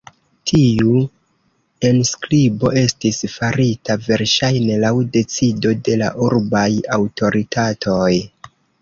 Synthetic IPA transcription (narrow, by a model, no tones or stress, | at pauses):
tʰiu | e̞nsklibo̞e̞stisfaɾitave̞ɾʃajne̞lawde̞t͡sido̞de̞la̰ʔuɾbajawtʰo̞ɾitʰatʰo̞j